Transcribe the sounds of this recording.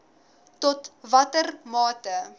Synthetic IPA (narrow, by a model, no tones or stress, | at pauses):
tɔtvɐtərmɑːtə